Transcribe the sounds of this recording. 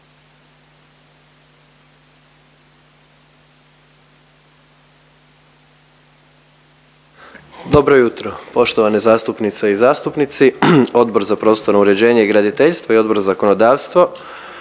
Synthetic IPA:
d̪obɾojut̪ɾopo̞ʃt̪oʋanezaːst̪upnit̪seizaːst̪upnit̪sio̞d̪bo̞ɾzapɾo̞ːst̪onouɾe̞d͡ʑeːɲeiɡɾad̪it̪eʎst̪ʋoio̞d̪bo̞ɾazako̞nod̪aːʋst̪ʋo

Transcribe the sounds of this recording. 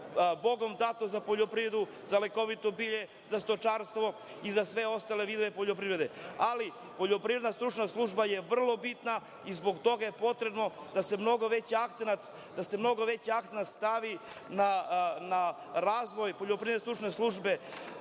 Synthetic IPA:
bo̞ɡo̞md̪at̪ozapoʎopɾiʋɾe̞d̪u | zaleko̞ʋit̪obiʎe̞ | zast̪o̞t͡ʃaːɾst̪ʋo̞ | izasʋe̞o̞st̪ale̞ʋid̪oʋe̞poʎopɾiʋɾe̞d̪eali | poʎopɾiɾed̪nast̪ɾut͡ʃnaslˠuʒbajeʋr̩lˠo̞bit̪na | izbo̞ɡt̪o̞ɡaje̞po̞t̪ɾe̞bno̞d̪̥ase̞mno̞ɡoʋe̞t͡ɕiakt̪senat̪ | d̪asemno̞ɡo̞ʋe̞t͡ɕiak̚t̪senat̪st̪aʋi | nana | ɾaːzʋo̞jpoʎopɾied̪est̪ɾut͡ʂne̞slˠuʐbe̞

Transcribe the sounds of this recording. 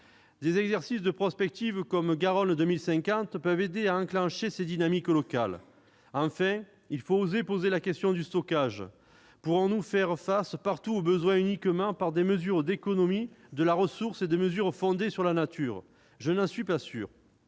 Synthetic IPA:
d̪ezɛɡzɛʁsisd̪əpχɔspɛk̚t̪ivkɔmɡaʁɔnd̪əmilsɛ̃kɑ̃t̪pœved̪eaɑ̃klɑ̃ʃesed̪inamiklɔkal | ɑ̃fɛ̃ | ilfoozepozelakɛst̪jɔ̃d̪yst̪ɔkaʒ | puʁɔ̃nufɛʁfaspaʁt̪uobəzwɛ̃ynikəmɑ̃paʁd̪eməzyʁd̪ekɔnɔmid̪əlaʁəsuʁsed̪eməzyʁfɔ̃d̪esyʁlanat̪ʰyʁ | ʒənɑ̃sɥipasy̰ːʁ

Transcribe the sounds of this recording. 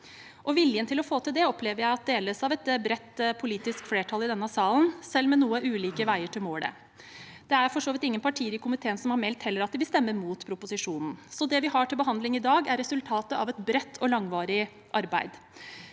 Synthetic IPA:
ʔɔʋɪljənt̪ʰɪlɔfoːt̪ʰɪld̪ɛɔpleːʋəɾjæɪɑt̪̚d̪eːləsɑʋɛt̪bɾɛt̪ːpʰʊliːt̪ɪskfleːʈʰɑlɪd̪ɛnːəsɑːln̩sɛlmɛnuːəʔʉːliːkəʋæɪəʈʰɪlmoːɽɛ̰ | d̪ɛæɾfɔʂoːʋɪt̪ɪŋːənpʰɑʈʰiːɾəkʰʊmɪt̪ʰeːnsɔmhɑɾmɛlt̪hɛlːəɾɑt̪d̪ɪʋɪlst̪ɛmːəɾmuːt̪pʰɾʊpʊsɪʂuːnn̩sɔd̪ɛʋɪɦɑʈʰɪlbəɦɑnd̪lɪŋɪd̪ɑːɡæɾɛsʉlt̪ʰɑːt̪əɑʋɛt̪bɾɛt̪ʰːɔlɑŋʋɑːɾɪ | ʔɑɾbæɪd̪

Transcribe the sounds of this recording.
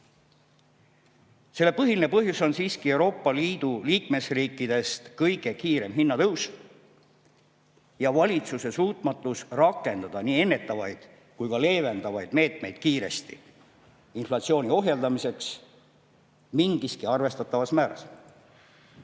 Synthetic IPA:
se̞lːe̞pɤɦiline̞pɤɦjuso̞nsiːskie̞uɾo̞ːpːˑɑliːd̪̥uliːkme̞sriːkːˑid̪̥e̞st̪kɤjɡ̥e̞kiːɾe̞mɦinːɑt̪ɤus | jɑvɑlʲit̪suse̞suːt̪ˑmɑt̪ˑːusrɑkːˑe̞nd̪ɑd̪̥ɑniːe̞nːe̞t̪ːˑɑvɑjd̪̥ | kujkɑle̞ːve̞nd̪ɑvɑjd̪̥me̞ːt̪me̞jd̪̥̚kiːɾe̞̰st̪i | inflɑt̪sio̞ːnio̞ɦjeld̪ɑmise̞ks | miŋɡiskiɑrve̞st̪ɑt̪ːˑɑvɑsmæːɾɑ̰s

